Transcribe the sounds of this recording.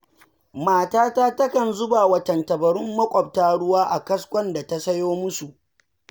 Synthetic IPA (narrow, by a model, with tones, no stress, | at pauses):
maː˦˨taː˦taː˦tɐ˦kɐ˨nzʊ˦baː˨wɐ˦tɐ˨ntɐ˨bɐ˨ɾʊ˦mːɐ˦kʷʼɔ˨b̚taː˦ɽʊ˦waː˦ʔa˨kɐ˦skʷɔ˦nda˨ta˦sɐ˦joː˦mʊ˦su˨ʔ